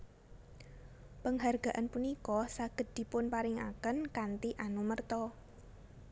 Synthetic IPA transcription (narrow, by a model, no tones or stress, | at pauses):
pəŋɦarɡ̥a̤ʔanpunikɔsaɡ̥ət̪̚d̪̥i̤pʊnpaɾɪŋa̰kənkant̪iʔanumərt̪ɔ